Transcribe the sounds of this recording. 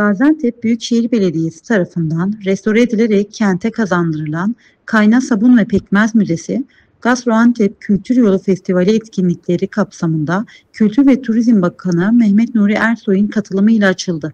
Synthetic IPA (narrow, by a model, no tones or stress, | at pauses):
b̥aːzænt̪ʰɛp̚byjycʃejiɾbe̞lʲe̞d̪ije̞si̥t̪ʰaɾafɯnd̪anɾɛst̪ʰo̞ɾaed̪ilʲe̞ɾɛcʰːænt̪ʰɛkʰazand̪ɯɾɯlˠan | kʰajnasabunvɛpʰɛcmæzmyzesɪ | ɡ̥asɾoant̪ʰɛp̚cʰylʲt̪ʰyɾjo̞lˠufɛst̪ʰivalʲiɛt̪cʰinlʲicʲlʲe̞ɾikʰapsamɯnd̪a | cʰylʲt̪ʰyɾvɛt̪ʰuɾizmbakʰanɯmɛhmɛt̪nuɾiʔæɾso̞jɯnkʰat̪ʰɯlˠɯmɯjlʲˠaːt͡ʃʰɯlˠd̪ɯ